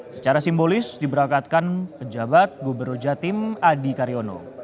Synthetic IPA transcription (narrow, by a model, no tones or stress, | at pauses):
sə̥t͡ʃaɾasimbolɪsdibəɾaŋkat̪̚kanpəd͡ʒabat̪̚ɡobərnɔrd͡ʒat̪ɪmadikaɾiono̰